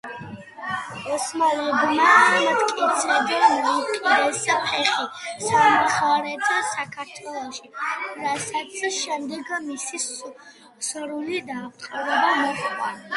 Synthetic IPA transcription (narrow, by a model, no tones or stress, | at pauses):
ɔsmalibmasamat̪kʼit̪sʰɛd̪ɛnmɔitqʼid̪ɛspʰɛχisamuχaɾɛd̪zɛsakʰaɾt̪ʰwɛlˠɔʃiɾasat̪sʰʃɛmd̪ɛɡmisi | sɾulid̪aːqʼɔɾɛbamɔχʼwa